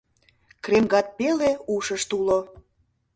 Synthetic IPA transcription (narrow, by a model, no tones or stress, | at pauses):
kremɡɑt̪̚peleuʃəʃt̪ulo